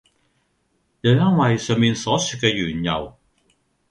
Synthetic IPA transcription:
jɐ˨˧wjɐ˥ŋwɐ˨jsœː˨˧ŋpiː˨˧nsɔː˨˥syː˨˧t̚kɛː˧jyː˨˩njɐ̰˨˩w

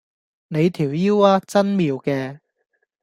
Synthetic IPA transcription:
ne˨˧jt̪ʰiː˨˩wjiː˥waː˥t͡sɐ˥nmiː˨˧wkɛː˧

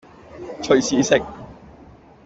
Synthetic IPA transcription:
t͡ʃʰɵ˨ɥsiː˨˧sɪ˨k̚

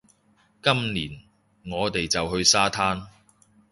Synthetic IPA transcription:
kɐ˥mniː˨˩n | ŋɔː˨˧t̪e˨jt͡sɐ˨whɵ˧ɥsaː˥t̪ʰaː˥n

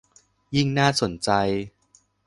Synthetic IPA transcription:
ji˥˩ŋnaː˥˩so˨˩˦nt͡ɕa˧j

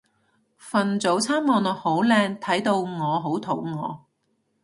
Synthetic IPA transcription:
fɐ˨nt͡so˨˥wt͡sʰaː˥mːɔː˨˧nɔː˨˧ho˨˥wlɛː˧ŋt̪ʰɐ˨˥jt̪o˧wŋɔː˨˧ɦo˨˥wt̪ʰo˨˥wŋɔ̰ː˨˧

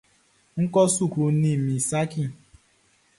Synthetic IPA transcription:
ŋ̩˦kɔ˦su˦˨ku˧˦nĩ˦˨mĩ˨sa˦ki˦˨

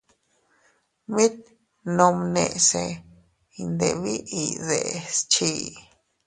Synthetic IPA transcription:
mĩ˦t̪̚ | nõ˧mnẽ˨se˧ | i˧nd̪e˨βi˦ʔi˨ðḛ˨st͡ʃʰi˧

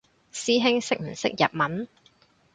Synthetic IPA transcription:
siː˥ɦɪ˥ŋsɪ˥k̚m̩˨˩sɪ̰˦˥k̚jɐ̰˨p̚mɐ˨˥n

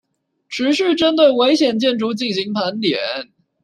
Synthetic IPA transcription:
ʈ͡ʂʰɻ̩˧˥ɕ̩˥˩ʈ͡ʂə˥nt̪̬we˥˩ɪwe˧˥ɪɕjɛ˨˩nt͡ɕjɛ˥˩nʈ͡ʂu˧˥t͡ɕi˥˩ŋɕi˧˥ŋpʰa˧˥nt̪jɛ˨˦n

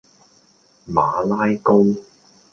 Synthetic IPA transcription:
maː˨˧laː˥jko˥w

